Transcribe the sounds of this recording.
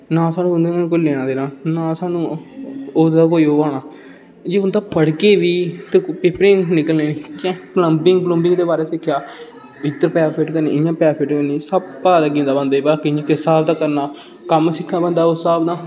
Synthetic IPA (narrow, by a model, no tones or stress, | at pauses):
nãːsaːnũːʊnd̪eːnãːñːkoleːɽ̃ãːd̪eːnãːnãːsaːnũː | oːd̪aːkoːiːoːaːɽaː | d͡ʒeːʊnd̪ãːpəɽkeːʋiːt̪eːpeːpɾɪ̃ŋnɪkəlneːniːkãːpləmbɪŋɡplə̃mbɪ̃ŋɡd̪eːbaːɾeːsɪkʰːjaː | ʋɪt̪ːəɾpɛːpʰeʈkəɾnḭjãːpɛːpʰeʈkəniːsəb̚paːd̪aːɡĩːnd̪aːbənd̪aːibaːkiɲãːkɪsaːbd̪aːkəɾnaː | kəmsɪkʰːaːbənd̪aːosəːbd̪ãː